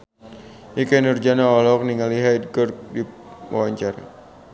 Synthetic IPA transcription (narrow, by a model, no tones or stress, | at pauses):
ikɛnurd͡ʒanaɔlɔɔk̚niŋaliɦajd̚ɡɔrk̚di | wa̰waɲt͡ʃaɾa̰